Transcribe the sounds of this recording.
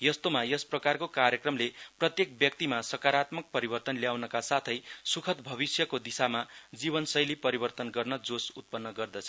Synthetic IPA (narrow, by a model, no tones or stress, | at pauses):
jʌst̪omajʌsprʌkarkokaɾjʌkrʌmleprʌt̪jek̚bjʌk̚t̪imasʌkaɾat̪mʌk̚pʌɾibʌrt̪ʌnljawnʌkasat̪ʰʌjsukʰʌt̪bʱʌbisjʌkod̪isamad͡zibʌnsʌjlipʌɾibʌrt̪ʌnɡʌrnʌd͡zosut̪̚pʌnːʌɡʌrd̪ʌt͡sʰʌ